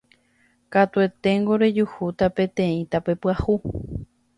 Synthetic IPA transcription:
kat̪ue̞t̪e̞ŋɡo̞ɾe̞d͡ʒuhut̪apẽ̞t̪ẽ̞ĩt̪ape̞pɨahu

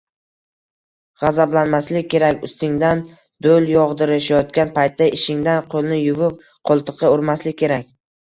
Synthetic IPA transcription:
ʁɑzablanmaslɪkʲʰːe̞ɾakʲʊst̪ɪŋd̪an | d̪oljɒʁd̪ɪɾɪʃajɒt̪kʲanpʰajt̪ːaɪʃɪŋd̪anqʰolˠnɪjʊvɪp̚ | qʰolˠt̪ʰɨqʰɨoɾmaslɪkʲʰːe̞ɾakʲ

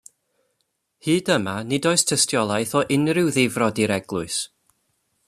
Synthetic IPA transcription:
hɨːdəmanɪdɔɨstʰɛstʰjɔlˠajθɔʔɪnrɪwðɪvrɔdiɾɛɡ̥lˠʊɨs

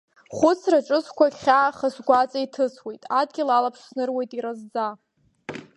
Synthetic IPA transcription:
χʷʊt͡sʰraʈ͡ʂʼɨskʷaɡʲχʲaχasɡʷat͡sʼaitʰɨswe̞jtʼadɡʲɪlalapʰʂsnɨrwe̞jtʼiɾazd͡za

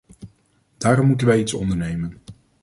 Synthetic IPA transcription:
d̥aːɾɔmːutənʋɛjitsɔ̰ndəɹnejmən

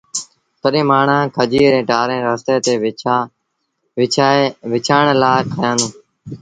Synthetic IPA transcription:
t̪əɗẽːmaːɳ̤ãːkʰəd͡ʒiːɾẽːʈaːɾẽːɾaːst̪eːt̪eː | ʋɪt͡ʃʰaːɳlaːkʰəjãːnũː

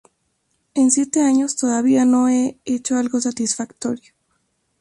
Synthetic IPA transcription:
e̞nsje̞t̪e̞aɲo̞st̪oðaβ̞iano̞e̞et͡ʃo̞alɣo̞s̬at̪isfakt̪o̞ɾjo

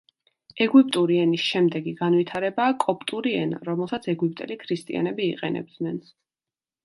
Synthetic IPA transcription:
ɛɡwipʼt̪ʼuɾiɛnisʃɛmd̪ɛɡiɡanwit̪ʰaɾɛbaːkʼɔpʼt̪ʼuɾiɛnɾɔmɛlˠsat̪sʰɛɡwip̚ʼt̪ʼɛlikʰɾist̪ʼḭa̰nɛbiːqʼɛ̰nɛ̰b̚d̪nɛn

